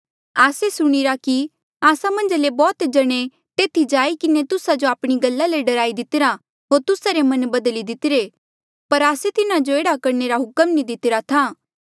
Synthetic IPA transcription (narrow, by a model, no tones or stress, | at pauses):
aːsesʊɽ̃iɾaki | aːsamɐ̃nd͡ʒlebɔːt̪d͡ʒɐɽ̃e | t̪eːt̪ʰid͡ʒaːikɪnet̪ʊsad͡ʒoaːpɽ̃iɡɐlːaleɖɐɾaːid̪ɪt̪ɪɾa | ɦoːɾt̪ʊsaɾemɐnbɐd̪əlid̪ɪt̪ɪɾe | pɐɾaːset̪ɪnad͡ʒoeːɽakɐɾneɾaɦʊkəmnid̪ɪt̪ɪɾat̪ʰa